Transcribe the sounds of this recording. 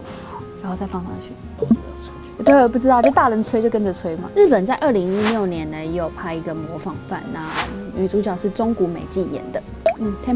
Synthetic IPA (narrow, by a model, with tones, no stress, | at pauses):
ɻa˨˧˥xo˥˧ʊt͡sa˥˩ɪfɑ˥˩ŋfɑ̰˧ŋt͡ɕʰy̰˥˩ | ɔ˨˩t̪o˥˨˩p̬u˥˩ʈ͡ʂɻ̩˥ɑ˥˩t͡ɕo˥˩t̪a˥˩ɻə˧˥nt͡sʰwe˥t͡ɕo˥˧ʊkə˦nʈ͡ʂə˨˩t͡sʰwe˥ɪma̰˨ɻ̩˥˩pə˨˩nt͡sa˥˧ɪʔə˥˩li˧˥ŋi˥ljo˥˨˩ʊnjɛ˧˦nnə˦jo˥˩ʊpʰa˥ɪi˧˥ɡə˨mwɔ˧˥˦fɑ˨˩ŋfa̰˥˨˩nna˥˩˥y˨˩t͡su˧˥t͡ɕjɑ˨˩ʊʂɻ̩˥˩ʈ͡ʂʊ˥ŋku˧˥me˨˩ɪt͡ɕi˥˩jɛ̰˧˦nd̪ə˨ | n̩˥˩t̪ʰjɛ˥